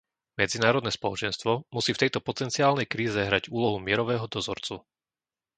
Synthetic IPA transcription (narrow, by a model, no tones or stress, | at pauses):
mɛd͡zinaːɾɔd̪nɛspɔlɔt͡ʃɛnst̪ʋɔmusiːft̪ɛjt̪ɔpɔt̪ɛnt͡siaːlnɛjkɾiːzɛɦɾaɟuːlɔɦumɪɛɾɔʋɛːɦɔd̪ɔzɔ̰ɾt͡su